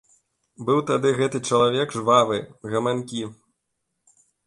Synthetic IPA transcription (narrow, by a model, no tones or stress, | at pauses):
bɨwt̪ad̪ɨɣɛt̪ɨt͡ʂɐlˠavʲɛɡʐvavɨɣɐmanʲkʲi